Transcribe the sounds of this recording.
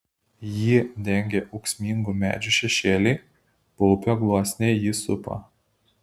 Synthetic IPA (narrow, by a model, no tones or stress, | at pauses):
jiːd̪ʲɛŋʲɡʲeːʔɔʊksʲmʲiːŋɡuːmʲæ̰ːd͡ʒʲuːˑʃʲɛʃʲeːlʲɪː | pɔʊpʲoːɡlˠuɔsʲnʲeːjisʊpɐ̰